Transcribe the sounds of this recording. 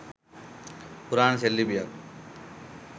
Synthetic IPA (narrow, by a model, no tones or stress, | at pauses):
puɾaːnselːibija